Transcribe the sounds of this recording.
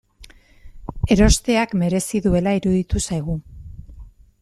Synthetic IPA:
e̞ɾo̞st̪e̞akme̞ɾe̞siðue̞laiɾuðit̪usajɣ̞u

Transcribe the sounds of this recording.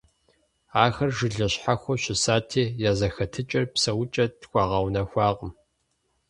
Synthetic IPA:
aːxɐrʒɪɮɐɕħaxʷɔɕɪsaːtʰeːjaːzɐxɐtʰɨt͡ʃʼɐrpsɐwʊt͡ʃʼɐtxʷɑːʁɐwnɐxʷɑːqəm

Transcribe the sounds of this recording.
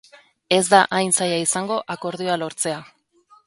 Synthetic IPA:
e̞zd̪aʔajnsajaisaŋɡo̞ʔako̞ɾðioalo̞ɾt͡se̞a

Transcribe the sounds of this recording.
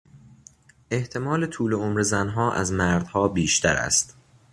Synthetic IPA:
ʔe̞ht̪ʰe̞mɒːlet̪ʰuːleomɾezænɦɒːʔæ̰zmæɾd̪̥hɒːbiːʃt̪ʰæɾæ̰st̪

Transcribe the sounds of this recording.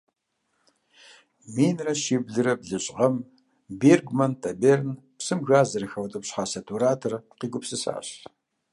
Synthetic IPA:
miːnrɐʃiːbɮɨɾɐbɮɨɕʼʁɐm | beːrɡmɐntʰɐbeːrnpsɨmɣaːzɐɾɐxɐwtʼɐpɕħaːsɐtʰuɾaːtʰɐrqiːɡʷʊpsɨsa̰ːɕ

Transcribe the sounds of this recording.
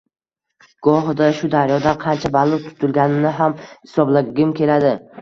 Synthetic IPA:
ɡ̥ɒɦd̪aʃʊd̪aɾjɒd̪anqʰɑnt͡ʃʰabalˠʊt̪ʰʊ̥t̪ʰʊlɡʲanɪnɪɦamhɪsɒblaɡʲɪmkʲʰe̞lad̪ɪ

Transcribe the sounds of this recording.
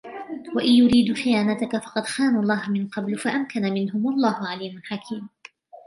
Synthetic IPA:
waʔɪnjʊɾiːd̪xɪjaːnat̪akafɑqɑd̪xaːnulˤːɑːhmɪnqɑblfaʔamkanamɪnɦʊmʔalˤːɑːhʊʕaliːmʊnħakʰiːm

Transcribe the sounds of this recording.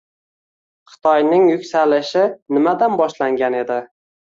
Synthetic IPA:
χɨ̥t̪ʰɒjnɪŋjʊkʲsalɪʃɪnɪmad̪anbɒʃlaŋɡʲane̞d̪ɪ

